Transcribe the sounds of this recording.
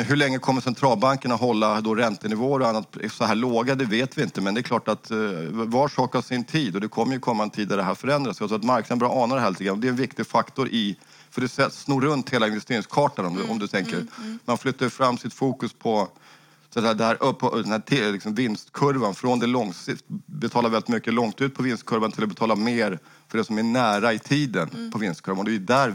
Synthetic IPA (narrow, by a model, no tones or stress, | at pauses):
ɦɵɭɛŋːəkʰɔmːəʂɛnt̪ʰɾɑːlbaŋkəɳat̪ɦɔlːad̪ɔɾɛnt̪ənɪvoːəɾɔanːat̪̚sɔhæːɭoːɡad̪ɛveːt̪vɪɪnt̪əmɛnd̪ɛkʰlɑːʈat̪vɑːʂɑːkavsɪnt̪ʰiːd̪ɔd̪ɛkʰɔmːəɾjɵkʰɔmːaɛnt̪ʰiːd̪ad̪ɛɦæːɾfœɾɛnd̪ɾasjat̪ʰɾʊːat̪maɾknad̪bɾɑːɑːnad̪hɛːlt̪ɪɡɾanɔd̪ɛɛnvɪkt̪ɪɡfakt̪ɔɾʔɪ | fœɖɛsɛsnuːɾɵnt̪heːlaɪnvɛst̪eːɾɪŋskʰɑːʈanɔmd̪ʔɔ̰md̪ɵt̪ʰɛŋkəɾmanflʏt̪ːaɾfɾamːsɪt̪fuːkɵspʰɔ | st̪ɛːd̪ɛhæːɾʔɵpʰːɔd̪ɛnhæːʈʰɪlɪksɔmvɪnst̪kʰɵɾvanfɾoɔnd̪ɛlɔŋsɪt̪bɛt̪ʰɑːlaɾvɛlːɪt̪mʏkːəlɔŋt̪ʉt̪̚pʰɔvɪnst̪̚kʰɵɾvant̪ʰɪlɔbɛt̪ʰɑːlameːɾ | fœɖɛsɔmæɳæːɾaɪt̪ʰiːd̪ənpʰɔvɪnst̪kʰɵɾvand̪ɛjɵd̪æɾ